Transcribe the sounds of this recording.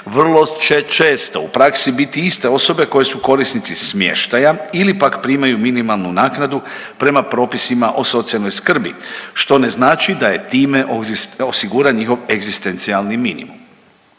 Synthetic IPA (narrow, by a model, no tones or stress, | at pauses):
ʋr̩lˠo̞t͡ʃe̞t͡ʃe̞ːst̪oupɾaksibit̪iist̪e̞o̞so̞be̞ko̞je̞suko̞ɾisnit̪sismje̞̰ʃt̪ajailipakpɾiːmajuminimalˠnunaːknad̪u | pɾe̞mapɾo̞ːpisimaʔo̞so̞t̪sialnojskr̩bḭʃt̪o̞ne̞znaːt͡ʃid̪aje̞t̪iːme̞ʔoosiɡuːɾaɲixo̞ʋe̞ɡzist̪e̞nt̪sialniminḭmṵm